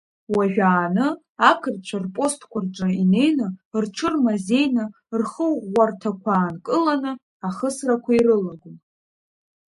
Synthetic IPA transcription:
waʒᶣaːnɨ | akʰɨrt͡ʃʷʰarpʼo̞stʰkʷʰarʈ͡ʂʷʼaine̞jnɨrʈ͡ʂʷʰɨrmaze̞jnɨ | rχəwʁʷartʰakʷʰaːnkʼɨlanɨ | aχəsrakʷaiɾɨlaɡʷum

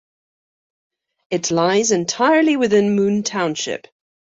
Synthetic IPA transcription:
ɨtʰlaɪzɨ̃ntʰaɪə˞liwɪðɪ̃nmʉ̃ntʰãʊ̃nʃɪ̰p

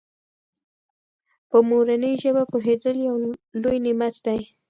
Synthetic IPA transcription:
pəmoɾanəjʒəbapoɦed̪əljawlojnɪmat̪d̪aj

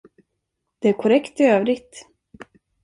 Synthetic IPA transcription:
d̪̥ɛæɾkʰɔɾɛkt̪ɪøːvɾɪɡt̪

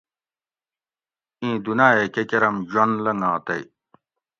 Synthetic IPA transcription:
ĩːd̪unaːekekeɾɐmʑwɐnlɐŋãːt̪ɐj

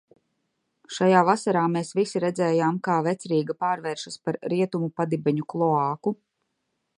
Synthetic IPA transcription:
ʃajaːvasaɾaːmeːsvisiɾɛd̪zɛːjaːmkaːvɛt̪sɾiːɡapaːɾvɛːɾʃaspaɾɾiɛt̪umupad̪ibɛɲuklˠɔaːku

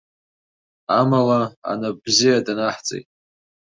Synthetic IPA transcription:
amalaa̰nab̥zijadanaħt͡sʼḛjtʼ

